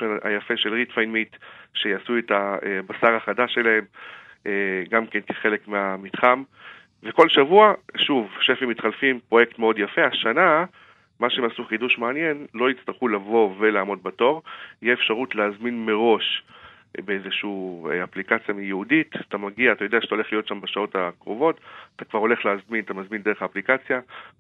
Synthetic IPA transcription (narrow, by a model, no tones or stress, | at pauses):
ena̰jafe̞ʃe̞lʁitfajnmitʃejasuetaebasaʁaχadaʃe̞lahe̞m | eɡamke̞nke̥χe̞lekmeamitχam | ve̞ko̞lʃavuaʃuvʃefimːit̪χalfimpʁo̞jektmeo̞djafe̞aʃana | maʃeemasuχiduʃmeanje̞nlo̞it͡st̪aʁχulavo̞ve̞laːmo̞d̚bato̞ʁijɛefʃaʁutleːzminme̞ʁo̞ʃ | beezeʃuaplikat͡sjamijeuditatamaɡiaːt̪ajo̞deaʃe̥tao̞le̞χlijo̞tʃambaʃao̞takʁovo̞tatakvaʁo̞le̞χleːzminat̪amazminde̞eχaːplikat͡sja